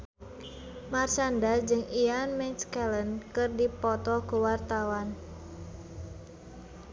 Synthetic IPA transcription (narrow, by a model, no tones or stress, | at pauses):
mart͡ʃandad͡ʒɨŋianmɛnskɛlənkɨrdipɔt̪ɔkuwart̪awan